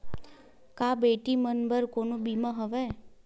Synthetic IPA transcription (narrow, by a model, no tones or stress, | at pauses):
kabeʈimənbəɾkonũbimaɦəʋe